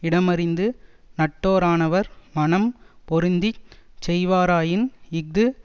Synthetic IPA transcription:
ɪɽɐmɐɾɪnd̪ɯ | nɐʈːoːɾaːnɐʋɐɾmɐnɐmpɔɾɯnd̪it͡ʃɛjʋaːɾaːjɪnɪɡ̚d̪ɯ

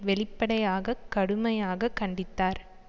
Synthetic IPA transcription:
ʋɛɭɪpːɐɽɐjaːɣɐkːɐɽɯmɐjaːɣɐkːɐɳɖɪt̪ːaːɾ

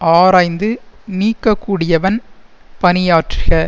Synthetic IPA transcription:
aːɾaːɪnd̪ɯniːkːɐkːuːɽɪjɐʋɐn | pɐnɪjaːʈrɪɣɐɭ

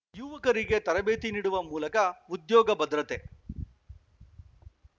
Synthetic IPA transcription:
juːʋɐkɐɾiɡe̞t̪ɐɾɐbeːt̪iniːɽuʋɐmuːlɐkɐud̪jɔːɡɐbɐd̪ɾɐt̪e

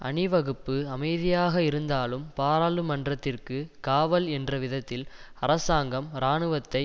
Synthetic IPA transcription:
ʔɐ̰ɳɪʋɐɣɯpːɯɐmɐɪðɪjaːɣɐɪɾɯnd̪aːlɯmpaːɾaːlɯmɐndrɐt̪ːɪrkɯkaːʋɐlɛndrɐʋɪðɐt̪ːɪl | ɐɾɐsaːŋɡɐmɾaːɳɯʋɐt̪ːɐɪ

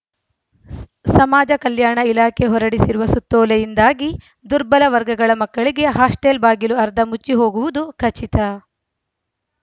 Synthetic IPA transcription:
sɐmaːd͡ʒɐkɐljaːɳɐilaːkʰeɦɔɾɐɽisiɾuʋɐsut̪ːɔːlɐjind̪aːɡi | d̪uɾbɐlɐʋɐɾɡɐɡɐɭɐmɐkːɐɭiɡe̞ɦaːsʈelbaːɡiluɐɾd̪ʱɐmut͡ʃːiɦo̞ːɡuʋud̪ukʰɐt͡ʃit̪ɐ

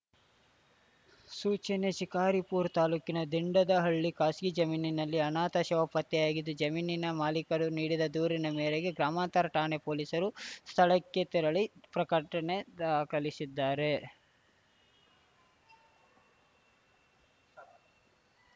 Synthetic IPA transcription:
suːt͡ʃɐneʃikaːɾipuːɾt̪aːluːkinɐd̪iɳɖɐd̪ɐɦɐɭːikaːsɡid͡ʒɐmiːninɐlːiɐnaːt̪ɐʃɐʋɐpɐt̪jɛjaːɡid̪ːud͡ʒɐmiːninɐmaːlikɐɾuniːɽid̪ɐd̪uːɾinɐmeːɾeɡe̞ɡɾaːmaːnt̪ɐɾɐʈaːnepoːliːsɐɾust̪ʰɐɭɐkːe̞t̪iɾɐɭipɾɐkɐʈɐne̞d̪aːkɐɭisid̪ːaːɾe̞

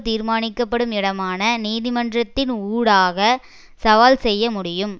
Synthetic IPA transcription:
t̪iːɾmaːnɪkːɐpːɐɽɯmɪɽɐmaːnɐniːðɪmɐndrɐt̪ːɪnuːɽaːɣɐ | sɐʋaːlsɛjːɐmʊɽɪjɯm

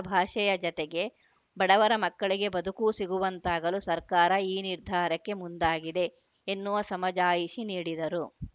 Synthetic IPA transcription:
bʱaːʂɐjɐd͡ʒɔt̪eɡe̞ | bɐɽɐʋɐɾɐmɐkːɐɭiɡe̞bɐd̪ʱukusiɡuʋɐnt̪aːɡɐlusɐɾkaːɾɐiːniɾd̪ʱaːɾɐkːe̞mund̪aːɡid̪e̞ː | nːuʋɐsɐmɐd͡ʒaːjiʃiniːɽid̪ɐɾu

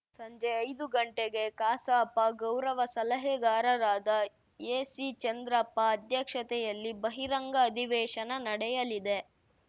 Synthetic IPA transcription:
sɐɲd͡ʒeɐjd̪uɡɐɳʈeɡe̞kaːsɐːpːɐɡɐwɾɐʋɐsɐlɐɦeɡaːɾɐɾaːd̪ɐ | jeːsit͡ʃɐnd̪ɾɐpːɐːd̪ʱjɐkʂɐt̪ɛjɐlːibɐɦiɾɐŋɡɐːd̪ʱiʋɛːʃɐnɐnɐɽɛjɐlid̪e

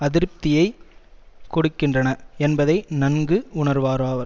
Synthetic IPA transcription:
ɐðɪɾɯp̚t̪ɪjɐɪ | kɔɽɯkːɪndrɐnɐɛnbɐðɐɪnɐnɡɯʊɳɐɾʋaːɾaːʋɐɾ

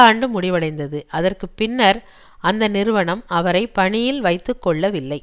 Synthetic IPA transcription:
aːɳɖɯmʊɽɪʋɐɽɐɪnd̪ɐðɯʔɐðɐrkɯpɪnːɐɾ | ɐnd̪ɐnɪɾɯʋɐɳɐmɐʋɐɾɐɪpːɐɳɪjɪlʋɐɪt̪ːɯkːɔɭːɐʋɪlːɐɪ

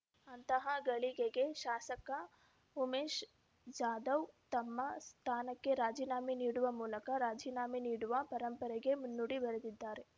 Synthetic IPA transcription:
ɐnt̪ɐɦɐɡɐɭiɡeɡe̞ʃaːsɐkɐ | umeːʃ | d͡ʒaːd̪ɐwt̪ɐmːɐst̪ʰaːnɐkːe̞ɾaːd͡ʒiːnaːminiːɽuʋɐmuːlɐkɐɾaːd͡ʒiːnaːminiːɽuʋɐpɐɾɐmpɐɾɛɡe̞munːuɽibɐɾed̪id̪ːaːɾe̞

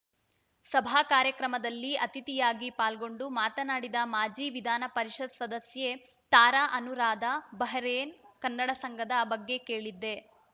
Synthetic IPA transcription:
sɐbʱaːkaːɾjɐkɾɐmɐd̪ɐlːiɐt̪it̪ijaːɡipaːlɡo̞ɳɖumaːt̪ɐnaːɽid̪ɐmaːd͡ʒiʋid̪ʱaːnɐpɐɾiʃɐd̪sɐd̪ɐsje̞ | t̪aːɾaʔɐnuɾaːd̪ɐbɐɦɐɾeːnkɐnːɐɽɐsɐŋɡɐd̪ɐbɐɡːe̞ke̞ːɭid̪ːe̞

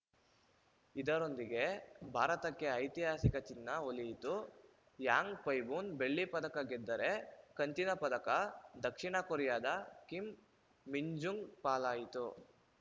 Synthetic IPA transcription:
id̪ɐɾo̞nd̪iɡe̞bʱaːɾɐt̪ɐkːe̞ɐjt̪iɦaːsikɐt͡ʃinːɐolijit̪u | jaːŋɡpɐjbuːnbe̞ɭːipɐd̪ɐkɐɡɛd̪ːɐɾe̞kɐnt̪inɐpɐd̪ɐkɐd̪ɐkʂiɳɐkoɾjaːd̪ɐkimː | iɲd͡ʒuŋɡpaːlaːjit̪u

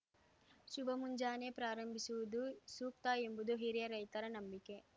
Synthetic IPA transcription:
ʃubʱɐmuɲd͡ʒaːne̞pɾaːɾɐmbʱisuʋud̪usuːk̚t̪aembud̪uɦiɾjɐɾɐjt̪ɐɾɐnɐmbike̞

